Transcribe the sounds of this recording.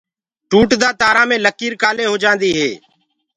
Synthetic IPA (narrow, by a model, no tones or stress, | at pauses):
ʈuːʈd̪aːt̪aːɾãːmẽːləkiːɾkaːleːɦoːd͡ʒãːnd̪iːɦeː